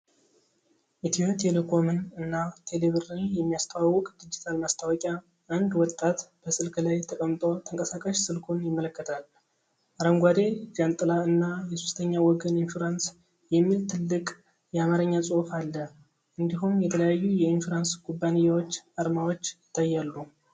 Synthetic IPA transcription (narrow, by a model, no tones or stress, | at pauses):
ʔit̪ʰiot̪ʰelekʰo̞mɨnɨnːat̪ʰe̞leβɨɾnjɛmːijast̪ʰəwawːɔkʼd̪id͡ʒit̪ʰalmast̪ʰawɔkʼja | ʔːnd̪wɔt̪ʼːat̪b̥əsɨlkʰlajt̪ʰəkʼəmt̪ʼo̞t̪ʰəŋkʼəsakʼaʃsɨlkʰunjɪmːələkːət̪ʰal | ʔaɾəŋɡʷad̪e̞d͡ʒant̪ʼɨlaɨnːajɛsust̪ʰəɲːawɔɡəninfuɾans | jɛmːilt̪ʰɨlːɨkʼ | jɛamaɾəɲːasʼohfalːə | ʔɨnd̪iɦumjɛt̪ʰələjajːujɛinfuɾansɡubːanɨjːawot͡ʃːaɾmawot͡ʃːjɪt̪ʰːajːalːu